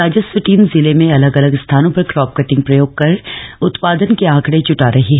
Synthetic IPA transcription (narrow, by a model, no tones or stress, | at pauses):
aːd͡ʒəsʋəʈiːmzɪlemẽɐləɡɐləɡst̪ʰaːnõpɐɾkɾɔːp̚kɐʈɪ̃ŋɡpɾɐjoːɡ̚kɐɾʊt̪paːd̪ənkeãːkɽet͡ʃʊʈaːɾɐɦiɦɛ